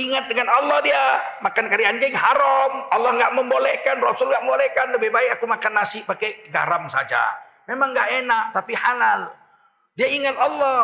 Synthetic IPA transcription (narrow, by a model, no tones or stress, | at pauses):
iŋat̪̚dəŋanɔlːɔhdiamakankaɾiand͡ʒɪŋɦaɾɔmɑlːɔhŋɡaʔməmbolɛhkanrɔsʊlŋɡaʔməmbolɛhkanləbebajakumakanːasɪpakɛɡa̰ɾamsa̰d͡ʒa̰ | memaŋɡaʔenaʔt̪apihalal | diaiŋat̪ɑlːɔh